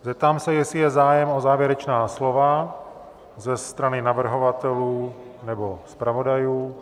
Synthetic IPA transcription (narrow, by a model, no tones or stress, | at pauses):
zɛp̚t̪aːmsɛjɛsɪjɛzaːjɛmozaːvjɛɾɛt͡ʃnaːslo̞va | zɛst̪ɾanɪnavr̩ɦo̞vat̪ɛluːnɛbo̞spɾavo̞dajuː